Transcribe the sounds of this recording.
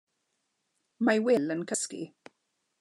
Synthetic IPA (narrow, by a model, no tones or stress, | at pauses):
majwɪlənkʰəskḭ